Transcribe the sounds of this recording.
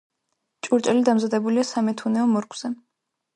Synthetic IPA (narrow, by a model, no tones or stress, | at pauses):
t͡ʃʼuɾt͡ʃʼɛlid̪amzad̪ɛbuliasamɛt̪ʰunɛɔmɔɾkʰʼwz̥ɛ